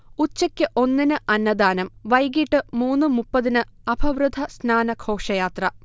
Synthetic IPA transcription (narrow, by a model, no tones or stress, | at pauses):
ut͡ɕːɐkʲːɨʔo̞nːinɨʔɐnːɐd̪aːnɐmʋɐjɡiʈːɨmuːnːɨmupːɐðinɨɐbʰʱɐʋrɨd̪ʱɐsnaːnɐkʰo̞ːʂɐjaːt̪rɐ